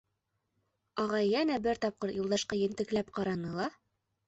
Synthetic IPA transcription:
ɒʁɑjjænæbɘɾt̪ɒp̚qɤɾjulˠd̪ɑʃqɑjɘ̆nt̪ɘ̆klæpqɑɾɑnɤlˠɑ

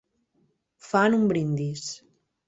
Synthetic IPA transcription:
fanumbɾind̪is

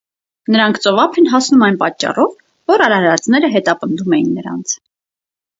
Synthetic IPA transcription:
nəɾɑŋkʰt͡sɔvɑpʰɛnɦɑsnumɑjnpɑ̰t͡ʃːɑ̰rɔv | vɔɾɑɾɑɾɾɑt͡sʰnɛɾəɦɛt̪ɑpənd̪umɛjinːəɾɑ̰nt͡sʰ

